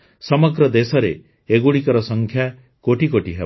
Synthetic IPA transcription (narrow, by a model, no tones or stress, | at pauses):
sɔmɔɡɾɔd̪esɔɾe | eɡuɽikɔɾɔsɔŋkʰja | koʈikoʈiɦe